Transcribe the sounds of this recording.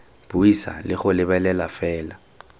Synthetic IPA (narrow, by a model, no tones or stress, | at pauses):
b̥uisa̰lɪχʊlɪbɛlɛlafɛːla